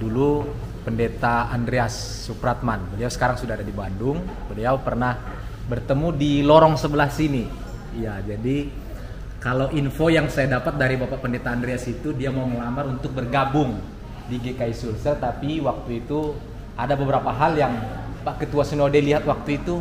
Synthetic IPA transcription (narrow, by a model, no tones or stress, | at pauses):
dulu | pəndet̪aandɾeasː | upɾat̪̚manbəliawsə̥kaɾaŋsudaɦadadibandʊŋ | bəliawpərnah | bərt̪əmudilɔɾɔŋsəbəlasini | ijad͡ʒadi | kalawʔinfojaŋsajadapat̪̚daɾibapaʔpəndet̪aːndɾeasit̪udiamauŋəlamaɾunt̪ʊk̚bərɡabʊŋ | diɡekaisulsərt̪apiwak̚t̪uit̪u | adabəbəɾapaɦaljaŋpaʔkət̪uwasənodeliɦat̪̚wak̚t̪uit̪u